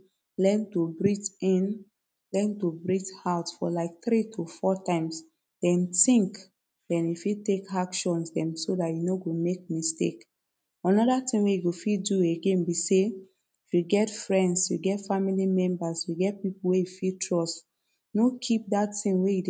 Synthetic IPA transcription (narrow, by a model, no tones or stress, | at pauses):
lɛ̃ntobɹitĩn | lɛ̃ntobɹithaʊtfɔ̰laɪk̚θɾitʰofɔtãɪ̃ms | d̥ɛ̃ntĩŋk | dɛ̃nifitːekakʃɔ̃nsdɛ̃msodatjunoɡomek̚mistḛk | ãnɔdatĩŋɡwejuɡofidueɡẽnbise | ifjuɡɛtfɹɛ̃ndsjuɡɛtfamilimɛ̃mbasjuɡɛt̚pipuwejufitʰɹɔst | nokʰip̚dattĩŋwejid